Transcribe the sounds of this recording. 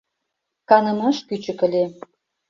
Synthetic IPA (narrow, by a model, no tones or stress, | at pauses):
kɑnə̆mɑʃkyt͡ɕə̆kə̆lʲe